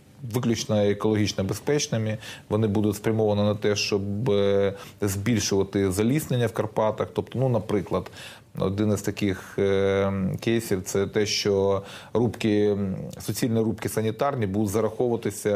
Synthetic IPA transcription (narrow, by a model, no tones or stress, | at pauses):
ʋɪklʲʊt͡ʃnɐekɔlˠɔɦʲit͡ʃnɐbespɛt͡ʃnɪmʲiʋɔnɪbud̪ʊtʲspɾʲɐmɔʋɐnɪnɐt̪ɛʃt͡ʃɔb | zʲbʲilʲʃʊʋɐt̪ɪzɐlʲisnenʲːɐwkɐrpɑt̪ɐxt̪ɔp̚t̪ɔnunɐpɾɪklˠɐd̪̥ | ɔ̰d̪ɪnɪst̪ɐkɪx | kɛjsʲiwt̪sɛt̪ɛʃt͡ʃɔɾupkɪsʊt͡sʲilʲnʲiɾupkɪsɐnʲit̪ɑrnʲibud̪ʊtʲzɐɾɐxɔʊʋɐt̪ɪsʲɐ